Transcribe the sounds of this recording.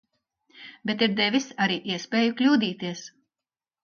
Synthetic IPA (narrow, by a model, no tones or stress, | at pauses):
bʲet̪iɾd̪ɛvʲisaɾiːʔiɛspʲeːjuklʲuːd̪iːt̪iɛs